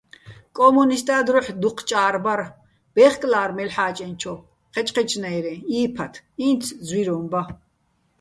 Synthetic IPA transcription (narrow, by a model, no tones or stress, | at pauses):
kʼɔmunist̪ʼaːd̪ɾɔħd̪uqʰt͡ʃʼaːɾbaɾ | b̥ɛχkʼlaːɾmɛlħaːt͡ʃʼɛnt͡ʃʰɔ | qʰɛt͡ʃʼqɛt͡ʃʰnajɾɛiːpʰat̪ʰint͡sʰzwiɾɔːmba